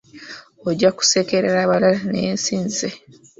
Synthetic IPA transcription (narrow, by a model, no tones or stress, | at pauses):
oɟaku̥se̞keɾḛɾaβalalanḛnsiːnze